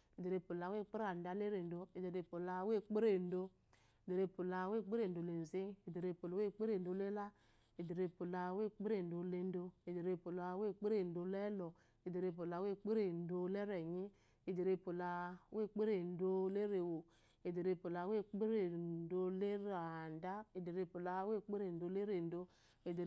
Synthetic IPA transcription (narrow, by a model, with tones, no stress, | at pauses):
e˨de˨ɾe˧˨po˨la˨we˦˨k͡pe˦ɾa˨n̩˨da˨˦le˦ɾe˨n̩˨do˧e˨de˨ɾe˧˨po˨la˧˦we˦k͡pe˦ɾe˨n̩˨˦do˦ | e˨de˨ɾe˧˨po˨la˨˦we˦˨k͡pe˦ɾe˨do˨le˨ze˦e˨de˨ɾe˧po˨la˨˦e˦˨k͡pe˦ɾe˨n˨˦do˧˦le˦la˦ | e˨de˨ɾe˧po˨la˨we˦k͡pe˦ɾe˨n̩˨do˨le˦n˦do˧e˨de˨ɾe˧˨po˨la˨˦we˦˨k͡pe˦ɾe˨n̩˨˦do˨˧le˦lɔ˨ | e˨de˨ɾe˦˨p̬o˨la˨we˦˨k͡pe˦ɾe˨n̩˨do˦le˦ɾe˨ɲi˦ | e˨de˨ɾe˦pu˨la˨˦we˦˨k͡pe˦ɾe˨n̩˨do˦le˦ɾe˨wo˨ | e˨de˨ɾe˧˦˨pu˨la˨we˦k͡pe˦ɾe˨n˨do˦le˦ɾa˨n˨da˦e˨de˨ɾe˦˨pu˨la˨˦we˦˨k͡pe˦ɾe˨n̩˨˦do˧le˦ɾe˨n̩˨do˦ | e˨d